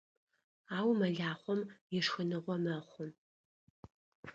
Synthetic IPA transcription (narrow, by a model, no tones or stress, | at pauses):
aːwmɐɮaːχʷɔmjɪʂxɨnɨʁʷɔmɐχʷʊm